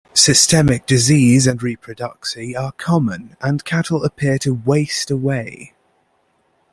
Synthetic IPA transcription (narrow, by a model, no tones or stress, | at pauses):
sɪstɛmɪk̚d̥ɪziːzə̃nɹiːˑpʰɹ̥ədʌksiəkʰɒmə̃nə̃nkʰatʰəl̩ˠəpʰɪətʰəweɪstəweɪ